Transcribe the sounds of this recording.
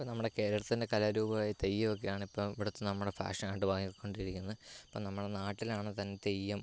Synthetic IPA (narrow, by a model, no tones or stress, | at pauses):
ponɐmːuɽe̞ke̞ːɾɐɽɐt̪ːinde̞kɐlɐɾuːbɐʋaːjit̪ejːɐmok̬ːejaːɳɨipːoːmʋiɽut̪ːɨnɐmːuɽefa̰ːʂɐnaːjiʈːɨbaːŋikkːo̞ɳɖiɾikʲːunːɐðɐ̥pːoːnɐmːuɽenaːʈːilaːɳɨt̪ɐnːet̪e̞jːɐm